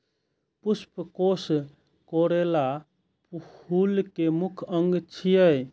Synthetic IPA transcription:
puspəkos | koɾela | phulkemukʰəŋɡt͡ʃʰijəj

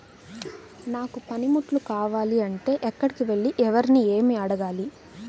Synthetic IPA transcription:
naːkupɐnimuʈlukaːʋaːliɐɳʈe̞ːʔɛkːɐɽikiʋe̞ɭːiʔɛʋɐɾinieːmiɐɽɐɡaːli

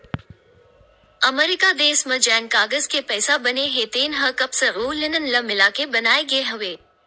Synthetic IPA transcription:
ɐmɛːɾɪkad̪eːsmə̃d͡ʒɛːnkaːɡəzkepɛːsabɐneɦeːt̪eːnɦɐkɐbseɾuːlɪnənlɐmɪlaːkebɐnaːeɡɐeɦɐʋeː

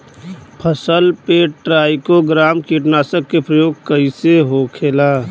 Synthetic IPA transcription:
pʰəsəlpeʈɾaːɪkoɡɾaːmkiʈnaːsəkːepɾəjoːɡ̚kəiseɦoːkʰeːlaː

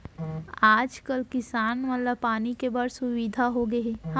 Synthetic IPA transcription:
aːd͡ʒkəlkɪsaːnmət̪ləbpaːnikebaɖsʊʋid̪ʱaɦoɡɐeh

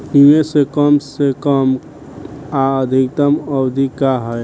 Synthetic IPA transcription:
iwesekəmsekəm | aəd̪ʱikt̪əməbd̪ʱikaɦəj

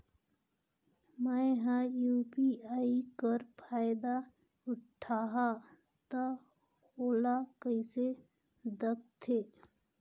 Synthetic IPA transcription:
məjɦãjuːpiaːikəɾpʰaːɪd̪a | ʊʈʰaːɦa | t̪ə | hoːlakəɪse | d̪ək̚t̪ʰe

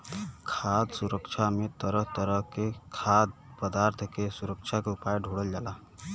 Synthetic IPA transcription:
kʰad̪suɾəkt͡ʃʰamet̪əɾəɦt̪əɾəɦkekʰad̪̚ | pəd̪aɾt̪ʰkesuɾəkt͡ʃʰakeupajɖʱuɽəld͡ʒala

